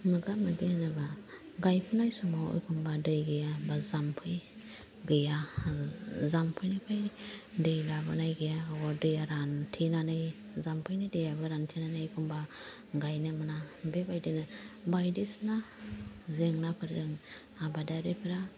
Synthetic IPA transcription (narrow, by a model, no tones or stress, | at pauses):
mɯɡamɯɡɯnɯba | ɡajpʰɯnajsɔmɔɯ̰jkʰɔmbadɯjɡɯjabazampʰɯj | ɡɯja | zampʰɯjnɯpʰajdɯjlabɯnajɡɯjaɡɔdɯjaɾantʰinanɯj | zampʰɯjnɯjdɯjabɯɾantʰinanɯjjkʰumba | ɡajnɯmɯnabebajdɯnɯbajdisna | zeŋnapʰɯɾdɯŋ | abadaɾɯjpʰɯɾa